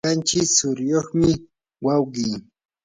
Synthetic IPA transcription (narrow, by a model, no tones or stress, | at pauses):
ant͡ʃɪksʊɾjoχmɪ | wawɢiː